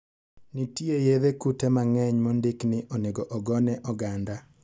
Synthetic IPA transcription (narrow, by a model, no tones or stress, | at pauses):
nitiejeðekutɛmaŋɛɲmɔndɪknɪʔɔneɡɔʔɔɡɔnɛʔɔɡanda